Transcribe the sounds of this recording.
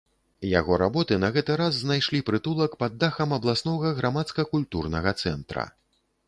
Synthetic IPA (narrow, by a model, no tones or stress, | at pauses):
ja̰ɣɔɾabɔt̪ɨnɐɣɛt̪ɨɾazːnajʂlʲipɾɨt̪ulˠɐkpad̪ːaxɐmɐblˠasnɔɣɐɣɾamat̪skɐkulʲt̪urnɐɣɐt̪sɛnt̪ɾɐ̰